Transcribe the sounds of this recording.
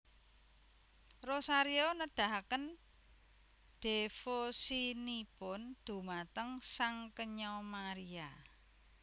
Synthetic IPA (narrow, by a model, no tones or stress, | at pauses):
rosaɾionəd̪̥a̤ɦakən | d̪̥efosinipʊnd̪̥ṳmat̪əŋsaŋkəɲɔmaɾia